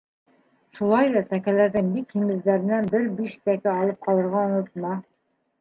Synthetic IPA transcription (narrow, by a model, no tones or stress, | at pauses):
ʃulˠɑjðɑt̪ækælæɾðɘŋbikhimɘ̆zlæɾɘ̆nænbɘɾbiʃt̪ækæɑlˠɤp̚qɑlˠɤ̆ɾʁɑŏnɤ̆t̪̚mɑ